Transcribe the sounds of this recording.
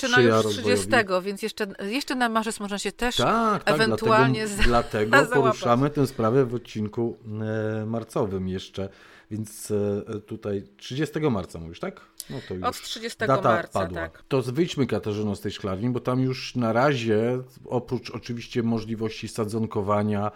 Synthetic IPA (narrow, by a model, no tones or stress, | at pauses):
t͡ʂjaɾɔʂzvɔd͡ʑɛɔsvʲt̪ɛɡɔvʲjɛnt̪jɛʂt͡ʂɛjɛʂt͡ʂɛnamaʐɛsmɔʐnaɕɛt̪ɛʂt̪aktɛaɡvɡnlat̪uɛaɡɔɲɛd̪lat̪ɛɡ̪ɔpɔɾuʂamɘt̪ɛ̃w̃spɾavɛvɔt̪̚t͡ɕiŋku | maɾt̪sɔvɘmjɛʂt͡ʂɛ | vʲjɛnt̪st̪ut̪ajtʂɘd͡ʑɛst̪ɛɡɔmaɾt̪samuviʂt̪ak | nɔt̪ɔjɔt̪ʂʂɨd͡ʑɛst̪ɛd̪at̪aɾpad̪wat̪ɔzvɘjt͡ɕmɘkat̪aʐɨnɔ̃st̪ɛjʂklaɾɲibɔt̪amjuʂnaɾaʑɛ | ɔpɾut͡ʂɔt͡ʂɘvʲiɕt͡ɕɛmɔʐlʲivɔɕt͡ɕisad̪zɔŋkɔvaɲa